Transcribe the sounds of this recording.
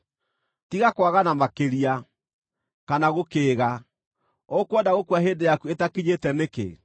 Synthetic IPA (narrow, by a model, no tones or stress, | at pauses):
tiɣakwaɣanamakeɾia | kanaɣokeːɣa | ɔkɔndaɣokwaɦeːndejakuetakiɲetɛnekḛ